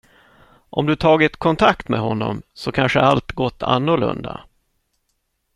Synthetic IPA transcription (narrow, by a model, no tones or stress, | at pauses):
ʔɔmd̪ɵt̪ʰɑːɡɪt̪kʰɔnt̪ʰakt̪mɛɦɔnːɔmsɔkʰanʂəɾalt̪ɡɔt̪ʰːa̰nːʊɭɵ̰nd̪a̰